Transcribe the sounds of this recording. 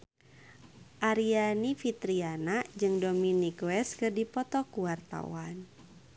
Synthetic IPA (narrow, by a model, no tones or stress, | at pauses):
ʔaɾianifit̪ɾianad͡ʒɨŋdɔminikwɛskɨrdipɔt̪ɔkuwart̪a̰wan